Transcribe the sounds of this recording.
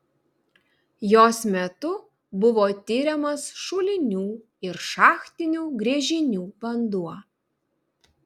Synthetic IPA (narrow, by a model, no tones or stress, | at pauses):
joːsmʲɛt̪ʊ | bʊʋoːt̪ʲɪɾʲɛmɐsʃʊlʲɪnʲuː | ɪɾʃɑːxt̪ʲɪnʲuːɡɾʲiɛʒʲɪnʲuːbɐnd̪uɔ